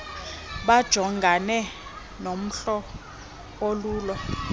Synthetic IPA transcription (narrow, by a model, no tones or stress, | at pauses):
ɓad̥ʒ̥ʱɔŋɡʱanɛ | nom̩ɬɔ | oluːlɔ